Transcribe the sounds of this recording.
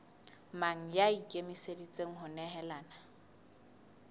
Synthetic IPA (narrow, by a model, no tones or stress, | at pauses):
maŋ̩jaikʼemisedit͡sʼeŋ̩ɦʊnɛɦɛlaːna